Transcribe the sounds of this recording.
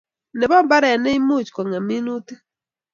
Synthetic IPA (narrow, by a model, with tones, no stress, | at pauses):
ne˨bɔ˦mba˦ɾɛ˨nɛ˦i˦mu˦˨t͡ʃkɔ˨ŋɛ˨mi˦nu˦te˦